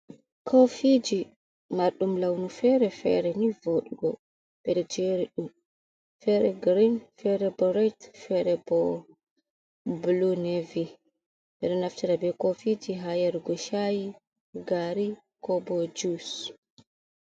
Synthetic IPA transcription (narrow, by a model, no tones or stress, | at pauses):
kʰofid͡ʒi | maɾɗumlawnufɛɾɛfɛ̰ɾɛnivoːɗiɡɔ | b̥ɛɗɔd͡ʒeɾiɗum | fɛɾɛɡɾinfɛɾɛbɔɾɛjtfɛɾɛbɔ | blunevi | ɓɛɗɔnaftiɾabɛkofid͡ʒiɦajɛɾɡɔʃaji | ɡaɾi | kɔbɔd͡ʒus